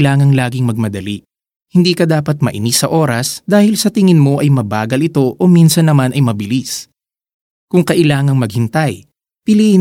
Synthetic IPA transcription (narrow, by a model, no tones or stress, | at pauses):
laːŋɐŋlaːɡɪŋmɐɡ̚mɐd̪ɐli | hɪnd̪iːkɐd̪aːpɐt̪̚mɐʔɪ̰nisɐʔo̞ːɾɐsd̪aːhɪlsɐt̪ɪŋɪnmo̞ʔɐjmɐbaːɡɐlɪt̪o̞ʔominsɐnːɐmanɐjmɐbɪlis | kʊŋkɐʔɪlaːŋɐŋmɐɡ̚hɪnt̪ɐj | pɪli